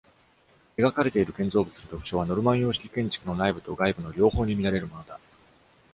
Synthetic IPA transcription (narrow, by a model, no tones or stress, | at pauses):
eɡakaɾe̞t̪e̞iɾɯ̟kẽ̞nd͡zo̞ːbɯ̟t͡sɨɾɯd̪o̞kɯ̥ɕo̞ːβano̞ɾɯ̟mãɰ̃jo̞ːɕi̥kʲi̥kẽ̞ɲ̟t͡ɕi̥kɯ̟no̞naibɯ̟t̪o̞ɡaibɯ̟no̞ɾʲo̞ːho̞ːɲ̟imʲiɾaɾe̞ɾɯ̟mo̞no̞d̪a